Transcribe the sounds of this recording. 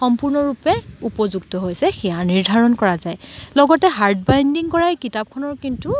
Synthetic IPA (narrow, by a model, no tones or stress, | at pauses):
xɔmpuɹnɔɹupɛupɔzuɡtɔɦojsɛxɛjaniɹdʱaɹɔnkɔɹazajlɔɡɔtɛɦaɹt̚bajndiŋkɔɹajkitap̚kʰɔnɔɹkintu